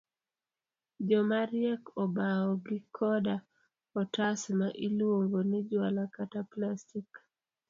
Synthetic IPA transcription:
d͡ʒɔmaɾjɛkɔbaɔɡɪkʰɔda | ɔtasmaʔilwoŋɡonɛd͡ʒwalakataplastik

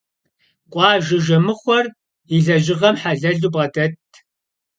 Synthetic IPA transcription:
qʷʼɑːʒɪʒɐmɨχʷɔr | iɮɐʑɪʁɐmħaɮɐɮubʁɐdʼɐtʰ

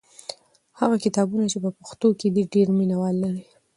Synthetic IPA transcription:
haɣakɪt̪ɑbunat͡ʃepəpaxt̪oked̪iɖeɾminawɑlːaɾi

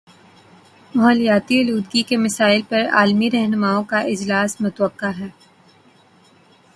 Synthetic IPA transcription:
mɐɦəlijaːt̪iʊluːd̪ɡikemɐsaːɪlpɐɾa̰ːlmiɾɛɦnʊmaːõkaʔɪd͡ʒlaːsmʊt̪wəqːaɦɛː

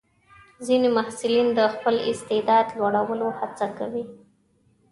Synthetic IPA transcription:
zinemahsɪlind̪əxpəlɪst̪ɪd̪ɑd̪lwaɽawəlohat͡sakawi

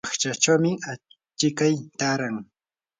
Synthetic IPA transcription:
χt͡ʃat͡ʃawmɪa | t͡ʃɪkajt̪aɾaŋ

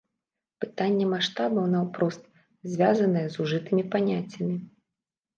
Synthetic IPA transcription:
pɨt̪anʲːɛmaʂt̪abɐwnɐwpɾɔst̪ | zʲvʲazɐnɐjɛzuʐɨt̪ɨmʲipanʲat͡sʲːɐmʲi

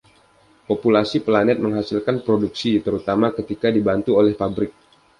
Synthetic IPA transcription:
populasiplanɛt̪̚məŋɦasilkanpɾoduksit̪əɾut̪amakət̪ikadibant̪uolɛhpabɾɪk̚

